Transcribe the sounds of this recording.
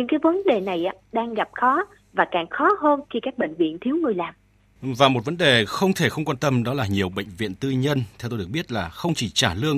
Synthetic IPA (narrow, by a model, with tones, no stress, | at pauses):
ɲɨ̰˧˥ŋkaː˨˦jvə˨˦nɗe˨˩na˨˩jʔaː˨˧˦ɗaː˧ŋɣa˨˩p̚xɔ˨˦ | vaː˨˩kaː˨˩ŋxɔ˨˦ɦə˧nxi˧kaː˦˥k̚ɓḛ˧˨ŋ̟vḭ˧˨ənt̪ʰi˨˦əwŋɨ˨˩əjlaː˨˩m | vaː˨˩mo˨˩t̚və˨˦nɗe˨˩xə˧wŋ͡mt̪ʰe˧˩xə˧wŋ͡mkwaː˧nt̪ə˧mɗɔ˨˦laː˨˩ɲi˨˩əwɓə̰˧˨ŋ̟vḭ˧˨ənt̪ɨ˧ɲə˧nt̪ʰɛ˧wt̪o˧˨˩ə˩k̚ɓi˦˥t̚laː˨˩xə˧wŋ͡mt͡ɕi˧˩t͡ɕaː˧˩lɨ˧əŋ